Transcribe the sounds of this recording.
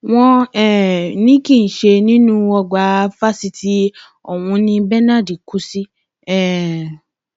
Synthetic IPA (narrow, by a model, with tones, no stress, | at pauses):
w̃ɔ̃˧ɛ˦˨nĩ˦ki˦˨n̩˨ʃe˧nĩ˦nũ˦wɔ˧ɡ͡ba˧˦fa˦si˧tʰi˦ | ɔ˨wũ˧nĩ˧bɛ˦na˦˨di˨ku˨˦si˦ | ɛ˦˨